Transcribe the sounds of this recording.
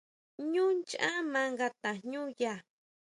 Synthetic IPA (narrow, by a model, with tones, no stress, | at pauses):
ɲũ˦nt͡ʃã̰˦mã˧ŋɡa˧t̪ḁ˨ɲũ˦ja˨